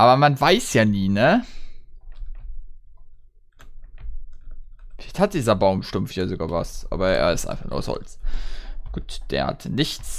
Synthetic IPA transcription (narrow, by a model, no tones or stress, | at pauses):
ʔaːbɐmanvaɪsjaːniːnə | ɛthat̚d̥iːzɐbaʊmʃtʊmftjaːzoɡaːva̰sʔa̰ːbɐʔḛːɐɪstʔa̰ɪnfaχnṵːɐshɔ̰lt͡s | ɡ̥uːtd̥eːɐha̰tʰnɪçt͡s